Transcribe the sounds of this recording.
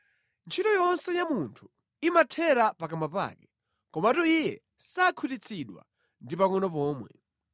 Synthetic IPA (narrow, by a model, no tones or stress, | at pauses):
nt͡ʃʰitɔjɔnsɛjamuntʰu̥ | imatʰɛɾapakamapa̰ːkɛ̥ | kɔmatuijɛ | sakʰutit͡sʰiɗwa̰ | ndipaŋɔnɔpɔːmwɛ̰